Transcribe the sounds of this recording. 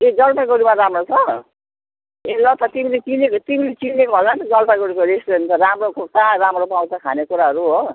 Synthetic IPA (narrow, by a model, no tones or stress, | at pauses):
ed͡zʌlpaɡoɾimaɾamrot͡sʰʌ | elʌt̪ʌt̪imilet͡sinekot̪imilet͡sinekoɦʌlnat̪ʌd͡zʌlpaɡoɾikʌɾestont͡sʰʌramrokok̚t̪aramropaw̃takʰanekuɾaɦʌɾuɦo